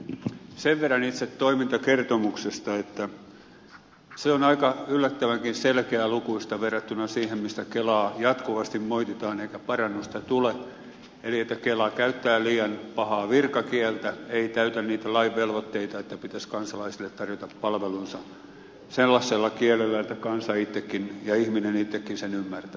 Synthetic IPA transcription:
seʋʋerːɑnit̪set̪t̪oimint̪ɑkert̪omuksest̪ɑet̪ːæ | seonɑikɑylːæt̪ːæʋæŋkinselkeælukuist̪ɑʋerːɑt̪ːunɑsiːhemmist̪ækelɑːjɑt̪kuʋɑst̪immoit̪et̪ɑːneikæpɑrɑnːust̪ɑt̪ule | eliet̪ːækelɑkæyt̪ːæːliːɑnpɑhɑːʋirkɑkiɛlt̪æeit̪æyt̪ænniːt̪ælɑiʋʋelʋot̪ːeit̪ɑet̪ːæpit̪æskɑnsɑlɑisilːˑet̪tɑrjot̪ɑpːɑlʋelunsɑ | selːɑsːelːɑkielelːæet̪ːækɑnsɑit̪ːekːinjɑihminenit̪ːekːinsenymːært̪æ

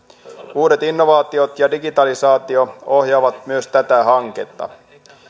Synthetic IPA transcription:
uːde̞t̪inːo̞ʋɑːt̪io̞t̪jɑdiɡit̪ɑlisɑːt̪io̞o̞ɦjɑːʋɑt̪myøst̪æt̪æɦɑŋkḛt̪ːɑ̰

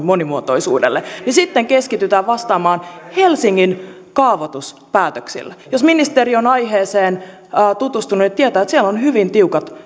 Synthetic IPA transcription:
monimuot̪oisṵːdḛlːenisit̪ːeŋkeskit̪yt̪æːʋʋɑst̪ɑːmɑːnhelsiŋːin | kɑːʋot̪us | pæːt̪øksḭlːjosminist̪erionɑjɦeːseːnː | t̪ut̪ust̪ununit̪iet̪æːet̪siɛlonhyʋint̪iukɑt̪

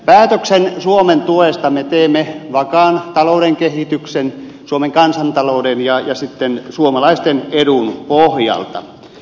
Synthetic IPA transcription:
pæːt̪øksensuoment̪uest̪ɑmet̪eːmːeʋɑkɑːnt̪ɑloudeŋkehit̪yksen | suomeŋkɑnsɑnt̪ɑloudenjɑjɑsit̪ːensuomɑlɑist̪enedunpohjɑ̰lt̪ɑ̰

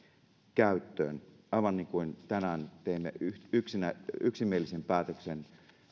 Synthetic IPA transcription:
kæyt̪ːø̰ːn | ɑiʋɑnːiːŋkuint̪ænæːnt̪eimːḛyyksinæyksimːˑielːisempæːt̪øksen

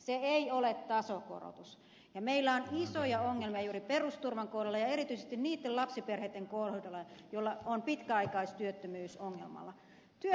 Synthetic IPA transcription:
seeiolet̪ːɑsoko̰ro̰t̪us | jɑmeilːæonisojɑoŋːelmijɑjuːɾiperust̪urʋɑŋkowdelːɑjɑeɾit̪yisest̪inniːt̪ːelɑpsiperhet̪ːeŋkohudɑlːɑjolːɑonpit̪kæɑikɑist̪yøt̪ːømyːsoŋːḛlmɑ̰lːˑɑ | t̪yø

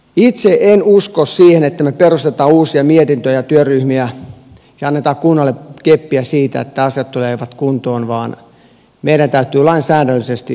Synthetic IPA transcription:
it̪seʔenuskossiːhenet̪ːæmeperust̪et̪ɑːuːsiɑmiet̪int̪øjɑt̪yøryhmiæ | sɑɑnːet̪ɑːkkunːɑlːˑekepːiæsiːt̪æ̰ḛt̪ːæɑsijɑt̪t̪uleːʋɑt̪kunt̪oːnʋɑːn | meiɾænt̪æyt̪yːlɑinsæːdælːisest̪i

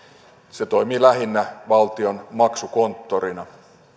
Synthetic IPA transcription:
set̪o̞jmiːlæɦinːæʋɑlt̪ionmɑksuko̞nt̪ːorinɑ

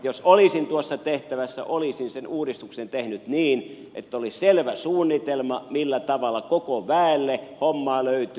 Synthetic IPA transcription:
josolisint̪uosːɑt̪eht̪æʋæsːæ̰ʔolisinsenuːdist̪uksent̪ehnyt̪niːn | ʔḛt̪ːæoliselʋæsuːnːit̪elmɑmilːæt̪ɑʋɑlːˑɑkokoʋæˑelːehomːɑːløˑyt̪y

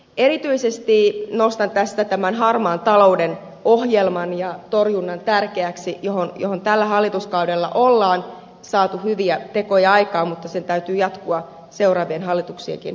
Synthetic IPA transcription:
e̞ɾit̪yisest̪iːnost̪ɑnt̪æst̪æt̪æmænɦɑrmɑːnt̪ɑlo̞uden | ohjelmɑnjɑt̪orjunːɑnt̪ærkeæksijohonjoho̞nt̪ælːæhɑlːit̪uskɑudelːɑ̰ʔolːɑːn | sɑːt̪uhyʋiæt̪e̞kojɑɑikɑːmut̪ːɑsent̪æyt̪yːjɑt̪kuɑ | se̞urɑːʋienɦɑlːit̪uksiḛŋkḭn

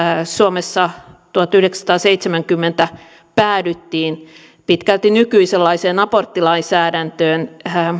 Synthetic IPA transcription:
suomesːɑt̪uhɑt̪yhdeksɑst̪ɑːseit̪semæŋkymːent̪æ | pæːdyt̪ːiːn | pit̪kælt̪inykyiselːɑiseːnɑport̪ːilɑinsæːdænt̪øːn

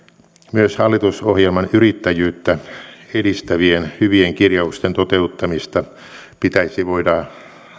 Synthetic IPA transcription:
myøshɑlːit̪usohjelmɑnyrit̪ːæjyːt̪ːæeɾist̪æʋienhyʋieŋkirjɑust̪ent̪ot̪eut̪ːɑmist̪ɑ | pit̪æisiʋoidɑ

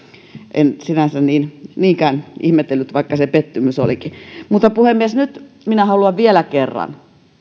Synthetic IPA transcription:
ʔensinænsænniːnniːŋkæːnihmet̪ːelːyt̪ʋɑikːɑsepet̪ːymyso̰likimut̪ːɑpuhemːiesnyt̪ | minæhɑluɑʋʋielækerːɑ̰n

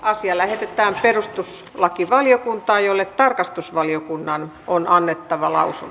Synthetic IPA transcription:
ɑsiɑlæhet̪et̪æːmperust̪us | lɑkiʋɑlijokunt̪ɑːjolːet̪t̪ɑrkɑst̪usʋɑliokunːɑn | onɑnːet̪ːɑʋɑlɑ̰usṵn

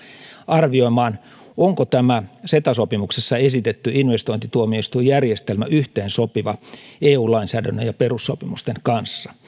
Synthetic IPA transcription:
ɑrʋio̞imɑːn | oŋkot̪æmæset̪ɑsopimuksesːɑesit̪et̪ːyinʋest̪oint̪it̪uomioist̪ujærjest̪elmæʔyht̪eːnsopiʋɑeːuːlɑinsæːdænːøjɑperusːopimust̪eŋkɑnsːɑ̥

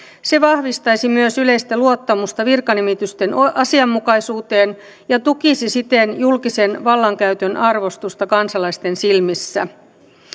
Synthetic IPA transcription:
se̞ʋɑhʋist̪ɑjsimyøsyle̞ist̪æluot̪ːɑmust̪ɑʋirkɑnimit̪yst̪enɑsiɑmːukɑisuːt̪eːn | jɑt̪ukisisit̪enjulkisenʋɑlːɑŋkæyt̪ønʔɑrʋo̞st̪ust̪ɑkɑnsɑlɑist̪e̞nsilmisːæ̰

